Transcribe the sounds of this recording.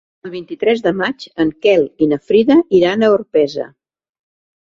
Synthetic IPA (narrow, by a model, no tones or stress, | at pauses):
əlˠβint̪it̪ɾɛzðəmad͡ʒəŋkɛlˠinəfɾiðəʔiɾanəuɾpɛzə̰